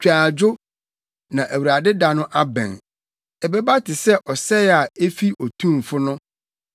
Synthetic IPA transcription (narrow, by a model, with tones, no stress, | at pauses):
t͡ɕᶣaː˨d͡ʑʊ˦ | nã˨ʔæ˨wu˨ɾa˨dɪ˦da˨nʊ̃˦ʔa˦bɛ̰̃˨n | ɛ˨bɛ˦ba˦tʰɪ˨sɛ˦ʔɔ˨sɛ˦a˨e˦fi˦ʔɔ˨tʰũ˦˨m˨fʊ˦nʊ̃˦